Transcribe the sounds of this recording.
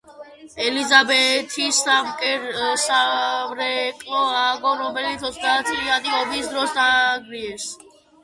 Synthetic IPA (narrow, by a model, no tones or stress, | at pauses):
ɛlizabɛt̪ʰist̪amkʼɛɾsamɾɛkʼlɔaɡɔɾɔbɛlit̪ʰɔsʰd̪at̪ʰiːad̪iɔbisd̪ɾɔsd̪aɡɾiɛɾs